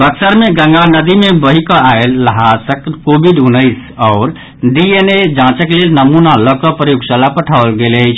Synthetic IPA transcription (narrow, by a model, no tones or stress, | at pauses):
bəksəɾmeɡə̃ŋɡanəd̪imebəɦikɔaelːəɦasəkkobiɖunəɪsɔʊɾ | ɖiened͡ʒãt͡ʃəklelnəmunaləkɔpɾəjuɡsəlapəʈʰaʊlɡelət͡ʃʰ